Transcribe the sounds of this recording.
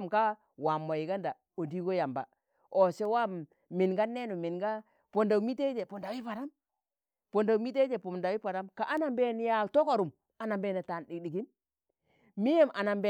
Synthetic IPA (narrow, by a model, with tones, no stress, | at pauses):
mka˦ | wa˨mːo˨ji˨ɡa˦nda˨ | o˨di˦ɡo˦ja˨mba̰˨ | o˨se˦wa˦mː | i˨nɡa˦nːe˦nu˨mi˨nɡa˦ | po˨nda˨u˨mi˦te˦d͡ʒe˨po˨nda˨wi˦pa˨ɾa˦m | po˨nda˨u˨mi˦t̬e˦d͡ʒe˨po˨da˨wi˦pa˨ɾa˦mka˨ʔa˦na˨mbe˦n˦ja˨to˦ko˨ɾu˨m | a˨na˨mbe˨na˨ta˨ndi˨ɗi˨ɡi˦n | mi˦je˦mʔa˨na˨mbe˦˨